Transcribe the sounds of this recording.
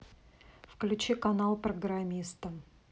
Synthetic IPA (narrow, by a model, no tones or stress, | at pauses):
fklʲʉt͡ɕikɐnalˠpɾəɡɾamʲist̪ə